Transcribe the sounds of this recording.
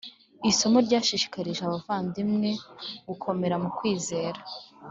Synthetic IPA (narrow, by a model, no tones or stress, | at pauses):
iso̞moɾɟaːʃiʃi̥kaɾiʒeaβavaːndimŋe̞ɡ̥ukʰo̞me̞ɾamukwiːze̞ːɾa